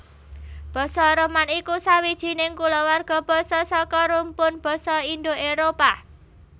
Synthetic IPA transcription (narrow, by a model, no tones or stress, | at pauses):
b̥ɔ̤sɔɾəmanikusawid̥ʒ̥i̤nɪŋkulɔwarɡ̥ɔ̤b̥ɔ̤sɔsɔkɔɾumpʊnb̥ɔ̤sɔind̪oeɾopa